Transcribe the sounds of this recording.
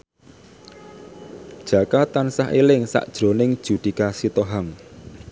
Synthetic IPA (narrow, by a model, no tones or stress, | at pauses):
d̥ʒ̥ä̤kat̪ansaɦelɪŋsa̰ʔd̥ʒ̥ɾo̤nɪŋd̥ʒ̥ṳd̪̥i̤kasit̪oɦaŋ